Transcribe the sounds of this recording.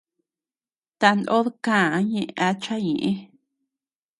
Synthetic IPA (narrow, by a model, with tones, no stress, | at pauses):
t̪a˧nd̪ʔo˦ðkã˦˨a˧˦ɲẽ˦ʔa˧t͡ʃa˦ɲẽ˨ʔẽ˦